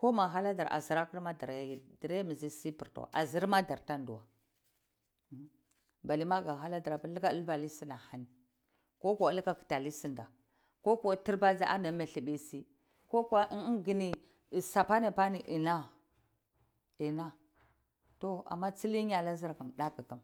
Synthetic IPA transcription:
ko˦ma˨ɦa˦la˦da˨ɾa˨a̰˨zi˨ɾa˦ki˦ɾma˦da˨ɾdi˨ɾe˦mi˨zi˦si˦pi˨ɾto̰˨ʔa̰˨zi˦ɾma˦da˨ɾta˦ndu˨wa˨˦ | ba˨li˦ma˦ɡa˨ɦa˦la˦da˨ɾa˨ba˨lka˦lba˨li˦si˦na˨ha˨ni˨ | ko˦ko˨˦lka˦ki̥˨ta˨li˦si˨nda˨ | ko˦ko˦˨ti˦ɾba˦d͡za˦ʔa˦na˨˦me˨ɬi˨bi˦si˦ | ko˦ka˦ɡi˦ni˨ | sa˨pa˦ne˨pa˦ni˨ʔi˨na˦ | i˨na˦ | to˦a̰˨mːa˦t͡si˦li˦ɲ˦a˨la˦zi˦ɾka˨mɗa˦ka˨ka˨m

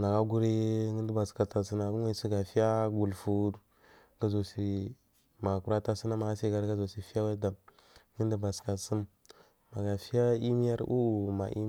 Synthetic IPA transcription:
na˨ɡa˦ɡu˦ɾi˦ŋi˦ndi˦ba˨ska˨ta˨si˦na˨ɡu˦ŋa˦si˦ɡa˨fi˦ja˦ɡu˨lfu˦du˨ | ɡa˦zo˨si˨ɾi˨ | ma˨ku˨ɾa˦ta˦si˦na˦ma˨a˦si˦ɡa˦ɾɡa˦zo˨si˨fi˦ja˦wa˦da˨ | ŋi˦ndi˦ba˨ska˨sə˦m | ma˨ɡa˨fi˦ja˦i˦mi˦ja˦ɾʔṵ˦u˨ma̰˨ʔḭ˦

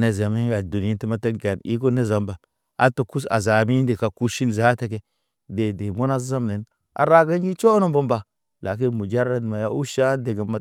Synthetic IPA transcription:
ne˨za˨mi˦a˨du˨n˨i˦ti˦ma˦te˦ɡa˨ni˦ko˦ne˦za˨mba˨ | a̰˦to˨ku˦sa̰˨za˨mi˦nde˨ka˨ku˦ʃi˦nza˦te˦ke˦ | de˨de˨mo˦na˦zza˦mne˨n | a̰˨ɾa˦ɡa˦nɡi˦t͡ʃo˦no˦mbo˦mba˨ | la˨k̬i˦nmu˨d͡ʒa˦ɾa˦n˨ma˨ja˦u˦ʃa˦de˨ɡe˨ma˨

